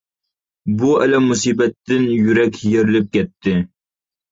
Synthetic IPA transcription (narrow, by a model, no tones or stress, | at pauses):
buɛlɛmːusiːbɛt̪ːɪnjyɾɛkʲjeɾɪlɪp̚kʲɛt̪ʰːɪ